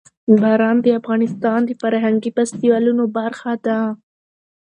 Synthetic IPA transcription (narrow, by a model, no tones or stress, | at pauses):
baɾɑnd̪əafɣɑnɪst̪ɑnd̪əfaɾɦaŋɡipast̪iwɑlunobaɾxɑd̪a